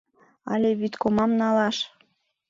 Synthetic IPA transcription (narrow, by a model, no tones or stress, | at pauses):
ɑ̰lʲeβyt̪komɑmnɑlɑʃ